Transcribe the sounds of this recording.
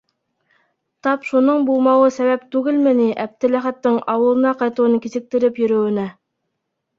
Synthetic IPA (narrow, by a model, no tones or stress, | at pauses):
t̪ɑpʃunɤɴbulˠmɑwɤsæβæp̚t̪ʉɡɘlmɘ̆niʔæb̚t̪ɘ̆læχæt̪ːɘŋɑwɤ̆lˠɤ̆nɑqɑjt̪ŭwɤnkizɘ̆k̚t̪ɘ̆ɾɘpjɵ̆ɾɵ̆wɘ̆næ